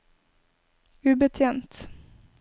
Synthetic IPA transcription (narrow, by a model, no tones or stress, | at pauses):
ʉbət̪ʰjɛnt̪